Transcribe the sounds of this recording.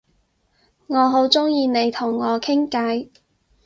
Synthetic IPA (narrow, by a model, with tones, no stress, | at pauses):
ŋɔː˨˧ɦo˨˥wt͡sʊ˥ŋjiː˧ne˨˧jt̪ʰʊ˨˩ŋːɔː˨˧kʰɪ˥ŋka˨˧˥j